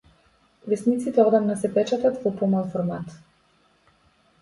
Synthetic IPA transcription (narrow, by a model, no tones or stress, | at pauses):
vɛsnit̪sit̪ɛɔd̪amnasɛpɛt͡ʃat̪at̪vɔpɔmalˠfɔɾmat̪